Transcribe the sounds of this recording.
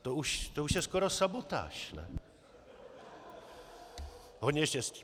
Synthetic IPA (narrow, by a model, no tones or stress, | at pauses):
t̪ɔuʃt̪ɔuʃjɛskɔɾɔsabɔt̪a̰ʃnɛ̰ | hɔɲɛʃɛs